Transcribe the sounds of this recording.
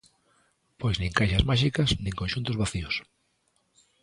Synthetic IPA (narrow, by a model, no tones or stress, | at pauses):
pojznĩŋkajʃazmaʃikɐsnĩŋkõnʃunt̪ʊzβaθiʊs